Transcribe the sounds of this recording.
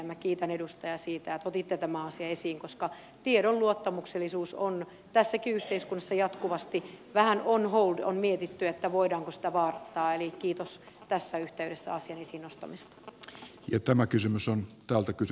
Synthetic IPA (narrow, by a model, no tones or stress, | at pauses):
mːækiːt̪ænedust̪ɑjɑsiːt̪æet̪ot̪it̪ːet̪æmæɑsiɑesiːŋkoskɑ | t̪ieɾolluot̪ːɑmukselːisuːson | t̪æsːækiyht̪eiskunːɑsːɑjɑt̪kuʋɑst̪iʋæhænonhouldo̰nmiet̪it̪ːyet̪ːæʋoidɑːŋkosi̥t̪æʋɑːrɑt̪ːɑːelikiːt̪os | t̪æsːæyht̪eyɾesːæ̰ɑsiɑnesiːnnost̪ɑ̰mist̪ɑ̥jɑt̪æmækysymysont̪æːlt̪ækys